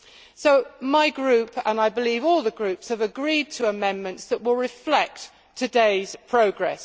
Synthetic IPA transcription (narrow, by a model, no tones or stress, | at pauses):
soʊmaɪɡɹʉˑpə̃naɪbɪlivɔːlˠðəɡɹʉˑpshəvəɡɹiːd̚tʰəəmɛ̃nmə̃ntsðəʔwɪlˠɹɪflɛk̚ | tʰədeɪz̥pʰɹ̥əʊɡɹɛ̰s